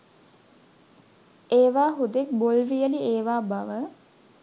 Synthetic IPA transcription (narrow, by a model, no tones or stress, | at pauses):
eːʋaːɦud̪ek̚bolʋijəlieːʋaːbaʋə